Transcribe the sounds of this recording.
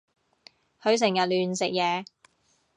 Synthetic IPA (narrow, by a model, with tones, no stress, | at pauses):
hʰɵ˨˧ɥs̬ɪ˨˩ŋjɐ˨t̚lyː˨nsɪ˨k̚jɛː˨˧